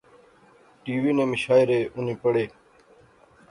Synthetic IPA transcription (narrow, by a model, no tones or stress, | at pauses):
ʈiːʋiːnẽːməʃaːɪɾeːʔʊn̤ẽːpəɽeː